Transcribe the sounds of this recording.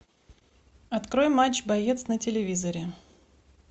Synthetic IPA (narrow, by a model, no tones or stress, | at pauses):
ɐt̪kɾojmat͡ɕbɐjet̪snətʲɪlʲɪvʲizəɾʲɪ